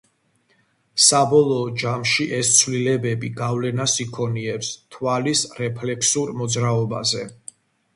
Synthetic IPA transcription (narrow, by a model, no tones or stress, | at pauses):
sabɔlˠɔːd͡ʒamʃiʔɛst̪sʰwvlilɛbɛbiɡavlɛnasikʰɔniɛpst̪ʰwalisɾɛpʰlɛksuɾmɔd̪zɾaɔba̰zɛ